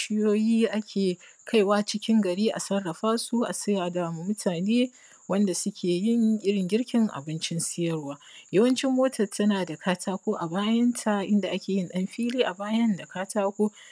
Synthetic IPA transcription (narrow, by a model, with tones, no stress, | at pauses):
ʃɪ˦joː˦jiː˦ʔa˦kʲʰeː˨ | kʰa˦˨jwaː˦t͡ʃɪ˦kʲɪ˦ŋɡɐ˨ɽiː˦ʔa̰˨sɐ˦rːɐ˨ɸaː˦su˦ʔa̰˨sɪ˦jaː˨da˨mu˨mʊ˦tʰaː˨neː˦ | wɐ˦nda˨sʊ˦kʲʰeː˨jɪ˦ŋʔʲɪ˦ɽɪ˨ŋɡʲɪ˦ɽkʲɪ˦ŋʔa̰˨bɪ˦nt͡ʃɪ˦nsɪ˦jɐ˦rwaː˦jɐ˦wɐ˦nt͡ʃɪ˦mːoː˦tɐ˨rtʰɐ˦naː˨da˨kʰaː˦tʰaː˦kʷoː˦ʔa˨baː˦jɐ˦ntʰa˨ʔɪ̰˦nda˨ʔa˦kʲeː˨jɪ˦nɗɐ˦mɸiː˦liː˦ʔa˨baː˦jɐ˦nda˨kaː˦tʰaː˦kʷoː˦